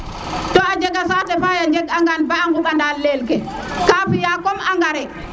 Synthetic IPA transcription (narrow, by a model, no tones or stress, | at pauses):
tɔad͡ʒɛɡasadɛfajad͡ʒɛɡaŋɡanbaŋɡuɓandalːɛlkɛ | kaːɸijakɔmaŋɡaɾɛ